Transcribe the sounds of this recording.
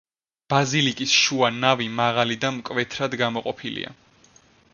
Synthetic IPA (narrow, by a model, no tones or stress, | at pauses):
b̥azilikʼisʃuanavimaʁalid̪amkʼvɛt̪ʰɾad̪ɡamɔqʼɔpʰilḭa̰